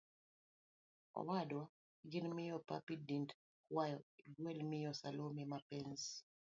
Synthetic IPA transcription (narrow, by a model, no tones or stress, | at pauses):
ɔ̰wadwa | ɡɪnmɪjɔpa̰pidint | kwajɔiɡwelmɪjɔsalomimapɪns